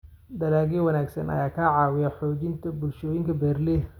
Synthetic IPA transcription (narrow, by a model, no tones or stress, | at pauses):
d̪ɐlaːɣiwɐnaːɡsɐ̰nɐ̰jaːkʰaʕɑːwɪjɐħɔːt͡ʃɪnt̪ʰɐbʊlʃɔːjɪŋkʰɐbɛːrlɛ